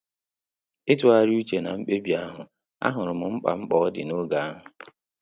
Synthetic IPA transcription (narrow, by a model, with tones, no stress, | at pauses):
e˦tu˨˦a˦ɾu˦t͡ʃe˨na˨ŋ͡m̩˦k͡pe˦bi˨˦a˦ɦʊ˨ | a̰˦ɦʊ˨ɾʊ˨mʊ˨ŋ͡m̩˦k͡pa̰˨ŋ͡m̩˦k͡pɔ˦dɪ˨no˦ɡa˨a˦ɦʊ˨